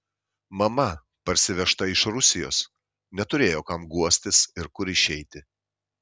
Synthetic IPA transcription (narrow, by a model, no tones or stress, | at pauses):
mɐmɐ | pɐɾʲsʲɪʋʲɛʃt̪ɐɪʃɾʊsʲɪjo̰ːs | nʲɛt̪ʊɾʲeːjoːkɐmɡuɔsʲt̪ʲɪsɪɾkʊɾɪʃʲɛɪt̪ʲɪ